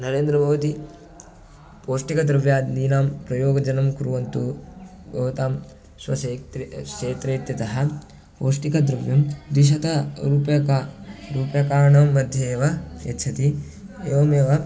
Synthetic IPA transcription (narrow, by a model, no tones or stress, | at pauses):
nɐɾeːnd̪ɾɐbʱɐʋɐt̪i | poːʂʈikɐd̪ɾɐʋjaːd̪iːnaːmpɾɐjoːɡɐd͡ʒɐnɐmkuɾuʋɐnt̪u | bʱɐʋɐt̪aːm | ʃʋɐ̰set̪ʃeːt̪ɾeːt̪jɐt̪ɐɦɐ̆ | poːʂʈikɐd̪ɾɐʋjɐmd̪iʃ̬ɐt̪ɐɾuːpjɐkaɾuːpjɐkaːɳɐmːɐd̪ʱjɐːʋɐjɐ̰t̪ːt͡ʃʰɐt̪i | eːʋɐmeːʋɐ